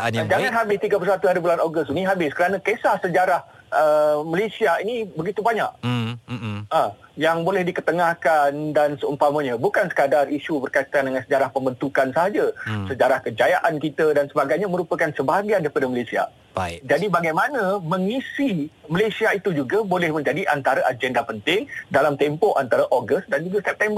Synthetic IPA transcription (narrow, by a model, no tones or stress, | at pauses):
ad͡ʒaŋãnɦabɪst̪iɡapərsat̪uɦaɾibulanoɡʊsiniɦabɪskəɾanãkesahsəd͡ʒaɾah | əməlesiainibəɡit̪ubaɲa̰ʔ | ajaŋbolɛhdikət̪əŋahkandansəumpamə̃ɲə̃bukansə̥kadariʃubərkait̪andəŋansəd͡ʒaɾahpəmbənt̪ukansaɦad͡ʒasəd͡ʒaɾahkəd͡ʒajaʔankit̪ədansəbaɡajɲaməɾupəkansəbaɦaɡiandaɾipadəməlesia̰ | d͡ʒadibaɡajmanə̃mə̃ŋisiməlesiait̪ud͡ʒuɡabolɛhmə̃ɲd͡ʒadiʔant̪aɾaʔad͡ʒɛndapənt̪ɪŋdalamt̪ɛmpɔʔant̪aɾaʔoɡəst̪dand͡ʒuɡasɛp̚t̪ɛmbər